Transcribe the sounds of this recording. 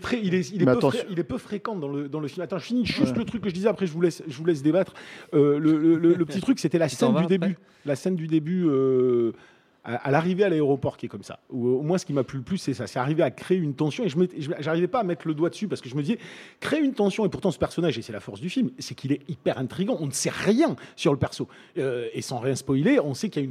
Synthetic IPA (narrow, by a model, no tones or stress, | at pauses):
t̪χɛilɛilɛø̃eilɛpøfχekɑ̃d̪ɑ̃ləd̪ɑ̃ləfilmat̪ɑ̃ʒəfiniʒyst̪lət̪χykːəʒəd̪izɛapχɛʒəvulɛsʒəvulɛs̬d̪ebat̪χølələlələpət̪it̪χykset̪ɛlasɛnd̪yd̪eby | lasɛnd̪yd̪ebyø | a̰ʔa̰laʁivealaeʁɔpɔʁkʲiɛkɔmsa̰uomwɛ̃sə̥kʲimaplyləplysːɛsasɛaʁiveakχeynt̪ɑ̃sjɔ̃eʒəmɛt̪ʒəʒaʁivɛpaːmɛt̪χələd̪wad̪əsypaʁsəkəʒəməd̪izɛkχeeynt̪ɑ̃sjɔ̃epuʁt̪ɑ̃sə̥pɛʁsɔnaʒesɛlafɔʁsd̪yfilmsɛkilɛipɛʁɛ̃t̪χiɡɑ̃ɔ̃nəsɛʁjɛ̃syʁləpɛʁso | øesɑ̃ʁjɛ̃spɔjleɔ̃sɛkiljayn